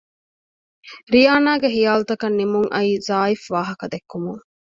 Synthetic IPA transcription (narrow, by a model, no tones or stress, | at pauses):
ɾijaːnaːɡeɦijaːlut̪ɐkɐnːimuŋʔɐ̰iːzaːifʋaːɦɐkɐd̪ekːumuŋ